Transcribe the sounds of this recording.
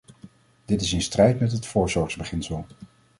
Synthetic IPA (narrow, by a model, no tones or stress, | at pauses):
d̥ɪtɪsɪnstrɛjtmɛtɦətfʊːɹsʊːɹkzbəχɪnsəlˠ